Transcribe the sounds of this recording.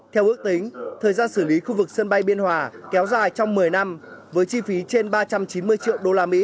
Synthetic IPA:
t̪ʰɛ˧wʔɨ˦˥ək̚t̪ï˨˦ŋ̟t̪ʰəː˨˩jzaː˧nsɨ˧˩li˨˦xu˧vɨ˨˩k̚sə˧nɓa˧jɓi˧ənhwaː˨˩kɛ˨˦wzaː˨˩jt͡ɕɔ˧wŋ͡mmɨ˨˩əjna˧mvəː˨˦jt͡ɕi˧fi˨˦t͡ɕe˧nɓaː˧t͡ɕa˧mt͡ɕi˨˦nmɨ˧əjt͡ɕḭ˧˨əwɗo˧laː˧mḭ˧˥

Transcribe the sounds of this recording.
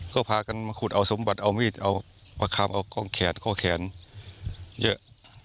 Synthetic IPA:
kɔː˥˩pʰaː˧ka˧nma˧kʰu˨˩t̪̚ʔa˧wso˨˦mba˨˩t̪̚ʔa˧wmiː˥˩t̪̚ʔa˧w | pa˧kʰaː˧mʔa˧wkɔː˥˩ŋkʰɛː˨˦nkʰɔː˧˩kʰɛː˩˦n | jɤ˦˥ʔ

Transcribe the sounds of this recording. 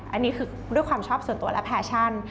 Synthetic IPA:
ʔa˧nːiː˦˥kʰɯː˧ | du˥˩əjkʰwaː˧mt͡ɕʰɔː˥˩psu˨˩˦nt̪u˧ɐ˧lɛ̰˦˥pʰɛː˧˩t͡ɕʰa˥˩n

